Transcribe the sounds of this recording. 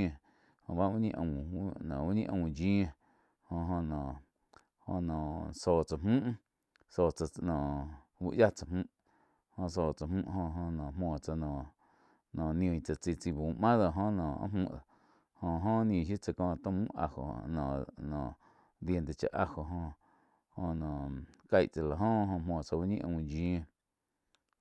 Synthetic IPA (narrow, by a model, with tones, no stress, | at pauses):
ẽ˧ | hõ̰˧˨βa˦ʔwu˦ɲḭ̃˦˧ʔə̰̃˧˨nã˨wu˦ɲḭ̃˦ʔə̃˧˨d͡ʒĩ˦e˧ | hõ˧ɦõ˧nã˨ʔ | ho̰˧nã˨soː˨t͡sa˨mmũ˦ʔ | soː˨t͡sa˧nã˨ | wṵ˧ʔja˦t͡sa˧˨hmũ˦ʔ | hõ˧s̬oː˨t͡sa˨mũ˦ʔhõ˧ɦõ˧nã˨mõː˨t͡sa˧nã˨ | nã˨nj̃õ˧ĩ˨t͡sa˧t͡si˧t͡si˧bu˨˦˨ʔmã˦ðo˧˨ɦõ˦nãː˨a̰˦mũ˧˨ | hõ˧˨ɦõ˦nj̃ĩ˨ʃji˦t͡sa˧˨kɔ̃ː˧t̪õ˦mũ˦ʔa̰˧ho̰˨˧nã˨nã˨ʔ | d̪je˧nt̪e˨t͡ʃa̰˧˨ʔa˧ho˨ɦõ˧ | hõ˧nã˨ka˧jʔt͡sa˨la˨ɦõ˦ɦõ˧mõː˨t͡sa˧ba˦ɲĩ˦ʔõ˧d͡ʒĩ˧